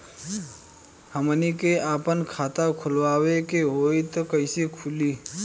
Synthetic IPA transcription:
həmnikeaːpənkʰaːt̪akʰʊlwaːwekeɦoːit̪okəɪsikʰuliː

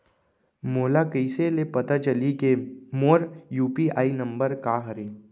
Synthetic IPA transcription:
moːlakəɪselepət̪at͡ʃəlikemoːɾjuːpiaːinə̃mbəɾkaɦəɾeː

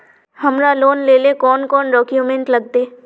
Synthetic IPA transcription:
hɐmɾaloːnleːlekɔːnkɔːnɾɔːkjumẽɳʈlɐɡ̚t̪eː

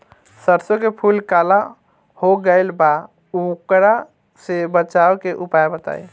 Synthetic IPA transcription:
səɾsokepʰulkala | hoɡəɪlba | ukɾa | sebət͡ʃawkeʔupaebət̪a̰j

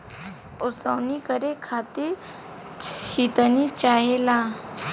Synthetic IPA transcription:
ʊsəwnikəɾekʰaːt̪iɾ | ʃit̪ənit͡ʃaːɦela

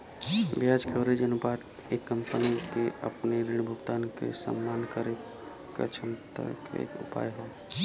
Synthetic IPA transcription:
bjad͡ʒkʰeoɾed͡ʒənupaːt̪ | eːkːəmpənikeɐ̰pneɾeːɽbʱʊɡt̪aːnkḛsə̰mːaːnkəɾeːkː | ə̰t͡ʃʰəmt̪ə̰kḛḛːkʊ̰pa̰ːjɦoː

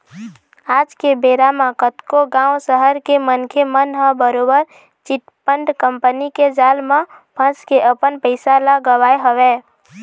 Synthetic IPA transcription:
ad͡ʒkebeɾamakət̪koɡãũsəɦəɾkemənkʰemənɦəbəɾobəɾ | t͡ʃiʈpəɳɖkəmpəniked͡ʒalmepʰə̃skeʔəpənpəɪsalaɡəʋajɦəʋe

